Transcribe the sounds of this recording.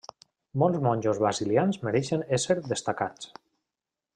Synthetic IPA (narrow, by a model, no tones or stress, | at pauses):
mɔlˠzmɔnʲd͡ʒozβɾaziljanzmeɾɛʃeneseɾðest̪akat͡s